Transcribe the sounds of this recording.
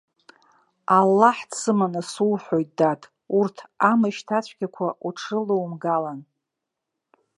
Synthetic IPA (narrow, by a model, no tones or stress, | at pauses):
alːaħdsɨmanɨsuwħʷojt̚datʼ | urtʰamaʃtʰat͡ɕʷʰɡʲakʷʰaʔuʈ͡ʂʰɨlɨwmɡalan